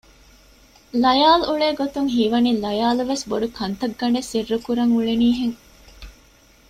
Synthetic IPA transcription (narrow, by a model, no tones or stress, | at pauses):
lɐjaːluɭeːɡot̪uŋɦiʋɐnilɐjaːluʋesboɖukʰɐnt̪ɐɡːɐɳɖesirːukuɾɐŋuɭeniːɦeŋ